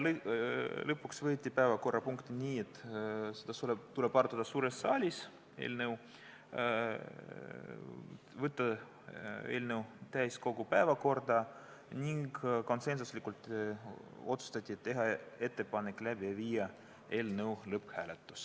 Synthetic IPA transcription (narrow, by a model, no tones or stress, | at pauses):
l | lɤpːˑuksvɤːt̪ʲːipæevɑko̞rːɑpuŋkt̪inʲiːe̞t̪ːsed̪ɑsulebt̪ule̞bɑrt̪ːud̪̥ɑsuːɾesːɑːlʲis | e̞̰ːlnew | vɤt̪ˑːɑ | e̞̰ːlnewt̪æjsko̞ɡupæevɑko̞rd̪ɑ | nʲiŋɡko̞nse̞nsuslʲikult̪ˑ | o̞t̪su̥st̪ɑt̪ʲˑːiet̪ːe̞ɦɑe̞t̪ːe̞pɑnekːˑlæbiɑviːjɑ | e̞ːlnɤwlɤpːhæːlet̪ːˑu̥s